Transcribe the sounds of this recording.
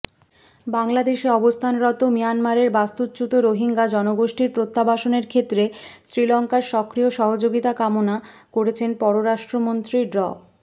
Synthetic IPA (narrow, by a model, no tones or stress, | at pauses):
baŋlad̪eʃeɔbost̪ʰanɾɔt̪omijanmaɾeɾbast̪ut̪̚t͡ɕut̪oɾoɦiŋɡad͡ʑɔnoɡoʃʈiɾpɾot̪ʰːabaʃoneɾkʰet̪ːɾesɾilɔŋkaɾʃɔkɾioʃɔɦod͡ʑoɡit̪akamona | koɾet͡ɕʰenpɔɾoɾaʃʈɾomont̪ɾiɖɾɔ